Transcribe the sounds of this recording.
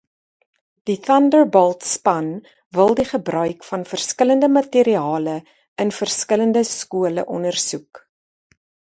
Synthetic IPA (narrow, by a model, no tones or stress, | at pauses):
d̥iθɐndərbɔlˠtspɐn | vəlˠdiχəbrœɥkfɐnfərskələndəmɐtiɾiɑːlə | ənfərskələndəskuələ̰ʔɔnərsuk